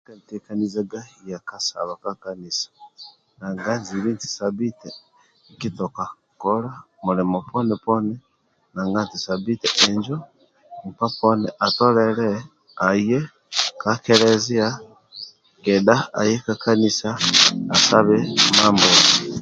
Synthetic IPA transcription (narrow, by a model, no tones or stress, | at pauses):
kantekanizaɡajakasa̰βakakanisḁ | naːŋɡanziβinti̥sabite | kitoka | koɾa | muɾimoponepone | naŋɡantisabitɛʔeɲd͡ʒo | m̩paponeʔatoɾeɾe | aje | kakeɾezia | kedaa̰jekakanisaasaβemaːmboni